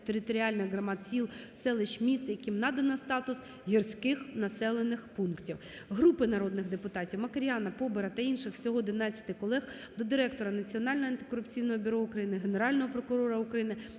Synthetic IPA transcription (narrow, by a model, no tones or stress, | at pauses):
t̪eɾɪt̪ɔɾʲiɑlʲnɪxɦrɐmɑt̪sʲilˠsɛlˠɪʃmʲist̪jɐkʲimnɑd̪ɐnɐst̪ɑt̪ʊs | ɦʲirsʲkɪxnɐsɛlˠenɪxpunktʲiw | ɦɾupɪnɐɾɔd̪nɪɣd̪epʊt̪ɑtʲiwmɐkɐɾʲjɑnɐpɔbeɾɐt̪ɐinʃɪxsʲɔɦɔɔd̪ɪnɑt͡sʲːɐ̥t̪ɪkɔlˠɛx | d̪ɔd̪ɪɾɛk̚t̪ɔɾɐnɐt͡sʲiɔnɑlʲnɔɦɔɐnt̪ɪ̥kɔɾʊpt͡sʲijnɔɦɔbʲʊɾɔʊkɾɐjinɪɦene̞ɾɑlʲnɔɦɔpɾɔkʊɾɔɾɐʊkɾɐjinɪ